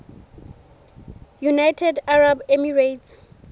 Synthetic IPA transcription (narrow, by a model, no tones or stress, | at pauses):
junajtʰɛdaɹabemiɹejt